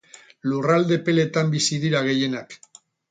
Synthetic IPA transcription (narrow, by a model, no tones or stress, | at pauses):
lurald̪e̞pe̞le̞t̪ambisiðiɾaɣ̞e̞je̞nak